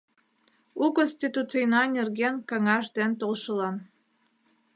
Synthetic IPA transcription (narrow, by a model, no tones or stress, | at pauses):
ukonsʲt̪ʲit̪ut͡sɨjnɑnʲerɣenkɑŋɑʒd̪ent̪olˠʃəlɑn